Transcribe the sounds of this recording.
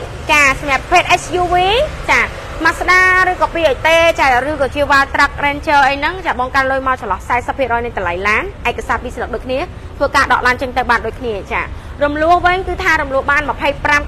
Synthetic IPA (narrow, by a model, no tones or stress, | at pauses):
t͡ɕaːsɑmɲăəp̚pʰeːt̪̚ʔet͡ɕʰjuːʋiːt͡ɕaː | masɗaːɾɨːkɑːpiːʔəjt̪eːt͡ɕaːrɨːkɔːt͡ɕiəwʋaːlt̪rək̚rɛːnt͡ɕəːʔəjnɨŋt͡ɕaːɓɑŋkanlʊjmaɔt͡ɕɑlɑhsaɛsəpʰːiərɔːjnɨjt̪əlajlaːnʔaɛkːasaːt̪̚piːslət̪̚ɗoːc̚kʰniə | t̪ʰʋəːkaːɗɑ̰ʔlaːnt͡ɕəŋt̪ɨwɓaːnɗoːc̚kʰniət͡ɕa̰ː | rumlʊəhʋɨɲkɨːt̪ʰaːɾumlʊ̆əhɓaːnməpʰəjpram